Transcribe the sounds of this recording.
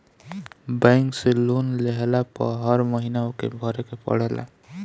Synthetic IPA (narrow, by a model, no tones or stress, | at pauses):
baŋkselunleɦelapʌ̰ɦʌɾmʌɦinaokḛbʱʌɾekepʌ̰ɽ̤elʔa̰